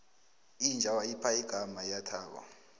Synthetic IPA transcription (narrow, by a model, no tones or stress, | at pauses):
ind͡ʒʱawaipʰaiɡ̥ʱamajatʰaːɓa̰